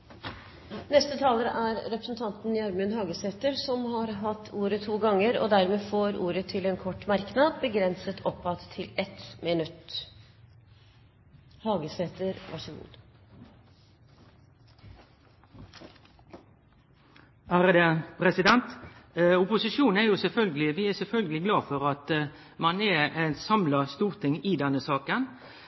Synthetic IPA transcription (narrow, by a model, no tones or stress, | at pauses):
nɛst̪ət̪ʰɑːləɾə̰ʔæɾɾɛpɾəsn̩t̪ʰɑnt̪n̩jɑɾmʉnhɑːɡəseːt̪əɾsɔmhɑɾɦɑt̪ʰːuːɾət̪ʰuːɡɑŋːəɾɔ̰d̪æɾmeːfoːɾuːɾət̪ʰɪlɛːnkʰɔʈːmɑɾknɑd̪bəɡɾɛnsət̪ʰɔpːɑt̪ʰːɪlɛt̪mɪnʉt̪ | hɑːɡəseːt̪əɾʋɑ̰ʂəɡṵː | hæːɾəd̪əpʰɾɛsɪd̪ɛnt̪ | ʊpʊsɪʃuːnn̩æɾjʊsɛlfœlɡəlɪʋɪæsɛlfœlɡəlɪɡlɑːfɔʁɑt̪mɑnɛɛnsɑmlɑst̪uːʁt̪ʰɪŋɪd̪ɛnːəsɑːkən